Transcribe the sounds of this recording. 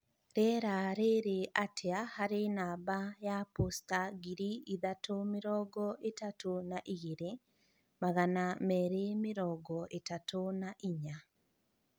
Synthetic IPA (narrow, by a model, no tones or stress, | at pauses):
ɾɛɾaɾeɾeʔatʰeahaɾenaːbajapostaɣiɾiiðatomeɾɔɡɔʔetatonaʔiɣeɾe | maɣanamɛːɾemeɾɔɡɔʔetatʰonaʔiɲa